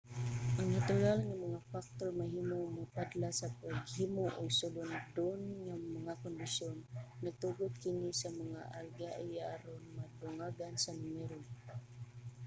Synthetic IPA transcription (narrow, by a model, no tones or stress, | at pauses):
ʔaŋnat̪ʊɾalŋamaŋafak̚t̪oɹmaɦiːmomapad̪lasapaɡhimoʔʊɡsʊlʊnd̪onŋamaŋakʊnd̪ɪsjonːaɡ̚t̪uɡʊd̪̚kɪnisamaŋaʔalɡaʔajaɾonmad̪ʊŋaɡansanɪmɛɾo